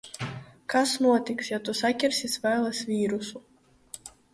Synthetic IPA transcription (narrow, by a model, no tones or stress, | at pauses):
kasnuɔt̪iksjat̪usakʲɛɾsʲisvɛːlˠɛsvʲiːɾusu